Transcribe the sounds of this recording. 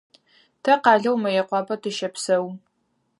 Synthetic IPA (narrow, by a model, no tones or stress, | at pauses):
tʰɐqaɮɐwmɐjɐqʷɑbɐdʰɨʃɐpʰsɐw